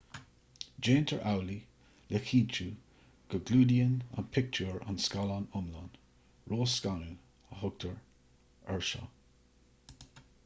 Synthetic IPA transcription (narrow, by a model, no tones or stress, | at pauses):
d͡ʒeːntʰəɹʔawli | lɛxʰiːt͡ʃu | ɡ̥əɡluːdiəna̰npʰɪk̚t͡ʃʰuːɹa̰nskɑlanʊmlan | ɹoːskanu | əhʊɡ̚tʰəɹ | ɛɹʃɑ̰